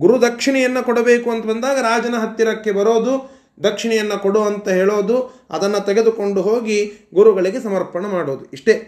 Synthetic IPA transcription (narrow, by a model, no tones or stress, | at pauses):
ɡuɾud̪ɐkʂiɳɛjɐnːɐkɔɽɐbe̞ːkuɐnt̪ɐbɐnd̪aːɡɐɾaːd͡ʒɐnɐɦɐt̪jɐɾɐkːe̞bɐɾoːd̪u | d̪ɐkʂiɳɛjɐnːɐkoɽoːɐnt̪ɐɦeːɭoːd̪uɐ̰d̪ɐnːɐt̪ɛɡe̞d̪uko̞ɳɖuɦo̞ːɡiɡuɾuɡɐɭiɡe̞sɐmɐɾpɐɳɐmaːɽoːd̪uiʂʈe̞